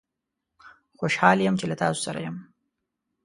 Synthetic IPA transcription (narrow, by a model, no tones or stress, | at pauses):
χʷoʃħaːlijemt͡ʃʰilatʰaːzʷsaɾa̰jɐm